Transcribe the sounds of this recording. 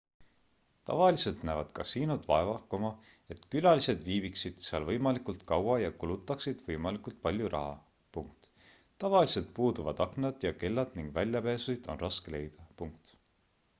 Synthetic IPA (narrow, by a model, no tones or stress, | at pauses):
t̪ɑ̰vɑlise̞lt̪næːvɑd̪kɑsiːnud̪̥vɑ̰evɑkːˑomɑ | e̞t̪kylɑlise̞d̪viːbiksid̪̥seɑlvɤjmɑlikult̪kɑwɑjɑkulut̪ːˑɑksid̪̥vɤjmɑlikult̪̚pɑlʲjuɾʔɑ̰ɦɑ̰ | puŋk̚t̪ː | ɑvɑlise̞lt̪̚puːd̪uvɑd̪̥ɑknɑd̪̥jɑke̞lːɑd̪̥niŋɡ̥vælʲːjɑpeːsusid̪̥o̞nrɑskele̞̰jd̪̥ɑpuŋk̚t̪